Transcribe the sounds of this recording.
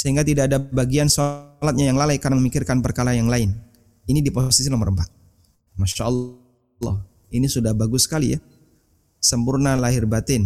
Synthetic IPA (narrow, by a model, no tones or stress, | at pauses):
səɦiŋɡat̪idaadabaɡiansolat̪̚ɲajaŋlalajkanaŋməmikɪrkanpərkaɾajaŋlaɪn | inidiposisinoməɾəmpat̪̚ | maʃaʔəlː | ɑ̰h | inisudahbaɡʊsə̥kalḭja̰ | səmpʊrnalaɦɪrbat̪ɪn